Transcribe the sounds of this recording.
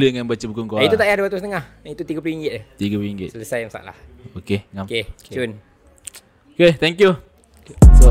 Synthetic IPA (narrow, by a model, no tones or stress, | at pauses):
ləŋanbat͡ʃəbukʊnkoait̪ut̪aʔjaduwat̪usənəŋahaŋit̪ut̪iɡapluiŋɡɪt̪̚ɛt̪iɡapluiŋɡɪ̰tsələsajmasa̰ʔla̰hokeŋameun | oket̪ɛŋkju | so